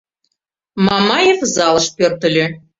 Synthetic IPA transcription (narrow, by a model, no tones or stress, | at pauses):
mɑmɑjefzɑlˠɤ̆ʃpørt̪ə̆lʲø